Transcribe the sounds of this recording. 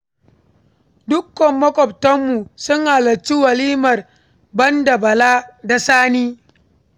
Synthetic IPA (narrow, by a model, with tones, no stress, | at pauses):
dʊ˦kːɔ˨mːɐ˦kʷʼɔ˨b̚tɐ˦mːu˨sʊ˦ŋha˨lɐ˨t͡ʃːi˦wɐ˨liː˦mɐ˨r | bɐ˦ndɐ˨bɐ˨laː˦da˨saː˦niː˦